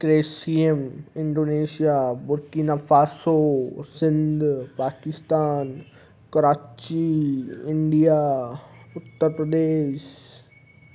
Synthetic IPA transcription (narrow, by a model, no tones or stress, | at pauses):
kɾeːsiemɪ̃ɳɖoːneːsijabʊɾkinafaːsosɪ̃nd̪ʱpaːkɪst̪aːn | kɐɾaːt͡ʃiɪ̃ɳɖija | ʊt̪ːəɾpɾəd̪eːʃ